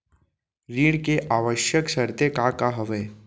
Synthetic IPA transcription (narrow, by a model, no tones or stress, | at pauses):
ɾiːɽkeʔaːʋəʃjəksɐɾt̪ekakaɦəʋeː